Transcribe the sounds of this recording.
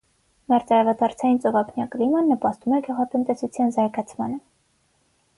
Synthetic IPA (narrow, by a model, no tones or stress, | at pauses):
mɛɾt͡sɑɾɑvɑd̪ʰɑɾt͡sʰɑjint͡sɔvɑpʰnjɑklimɑnːəpɑst̪umɛɡuʁɑt̪ənt̪ɛsut͡sʰjɑnzɑɾɡɑt͡sʰmɑ̰nə